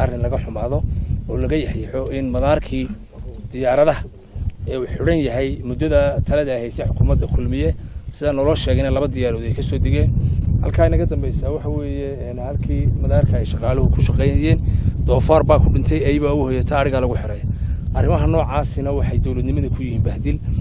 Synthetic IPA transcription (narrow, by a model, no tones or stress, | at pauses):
ʔɐrɪnlɐɣɐħʊmaːðɔɔːlɐɣɐjɐħjɛħɔɪnmɐðaːrkʰiː | d̪̥ɪjaːɾɐðɐ | ɛːuħʊɽɐnjɐɦɛjmʊd̪ɐðɐt̪ʰɐlɐðɐːhɛjsɛħʊkʰuːmɐd̪ɐkʰʊlmɪjɛsɪðɐnɔːlɔːʃɛːɣɛjnɛlɐβɐd̪ɪjaːɾɔːðɛjkʰɐsɔːd̪ɪɣɛːnhɐ̰lkʰaːjnɐɣɐd̪ɐmbɛjsaːwɑħɑwɛːjɛ | nhɐlkʰiːmɐðaːrkʰɐɛjʃɑqɑːlʊɦʊkʰʊʃɑqɛjnɐjɛːnd̪̥ɔːfaːrbaːkʰʊɖɪnt̪ʰɛjɛjβaʊhɔːjɛt̪ʰaːɽɪɣɐlɐɣʊħɪɾɐjɐʔɐrɪmɐɦɐnɔːʕaːsɪnɐwɑħɑjd̪ɔwlɐd̪nɪmɐðɐkʰʊjɪhiːnbɐhd̪ɪl